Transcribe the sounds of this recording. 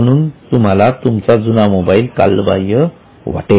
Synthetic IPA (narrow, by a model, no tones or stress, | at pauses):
əɽ̃uːnt̪um̤alat̪umt͡sad͡zunamobailka̰lbajə | ʋa̰ʈe